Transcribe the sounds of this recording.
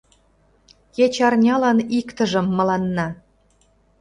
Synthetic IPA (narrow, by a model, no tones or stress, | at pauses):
jet͡ɕɑrnʲɑlɑnikt̪ə̆ʒə̆mːɤ̆lɑnːɑ